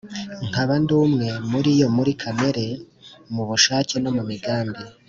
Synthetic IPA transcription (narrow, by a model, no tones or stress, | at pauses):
ŋ̥aβanduːmŋe̞muɾijo̞muɾikʰame̞ɾe̞ | muβuʃaːceno̞mumiɡaːmbi